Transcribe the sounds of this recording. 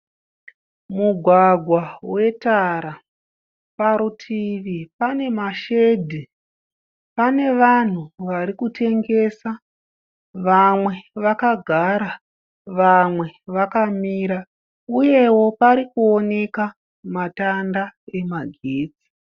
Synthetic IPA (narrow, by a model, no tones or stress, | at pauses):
muɡʱwaɡʱwawe̞taɾa | paɾutʰiʋipane̞maʃe̞dʱi | pane̞ʋan̤uʋaɾikute̞ŋɡe̞ːsa | ʋamwe̞ʋakaɡʱaɾa | ʋamwe̞ʋakamiːɾa | uje̞wo̞paɾikuone̞ka | matandaemaɡʱeːd͡zi̥